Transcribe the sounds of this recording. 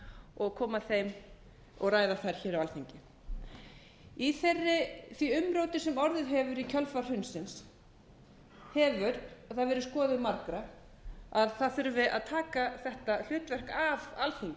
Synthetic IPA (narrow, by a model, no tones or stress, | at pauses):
ɔɣkʰɔːmaθejm | ɔ̰ɣraːjðaθaɾ̥çɛːɾawalθiɲcɪ | iθerːɪθviʏmɾoːwt̪ɪsɛmɔɾðɪðɦɛvʏɾicʰœlfar̥hʏnsɪns | hɛvʏɾθaðvɛːɾʏskɔːðʏmaɾkɾa | aðθaðθʏɾvɪða̰ðt̪ʰaːkaθɛht̪al̥ʏːt̪vɛr̥kavalθiŋcɪ